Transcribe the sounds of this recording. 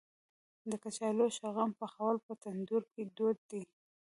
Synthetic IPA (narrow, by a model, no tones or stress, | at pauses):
d̪əkat͡ʃɑloʃaɣampəxawalpət̪and̪uɾked̪od̪̚d̪i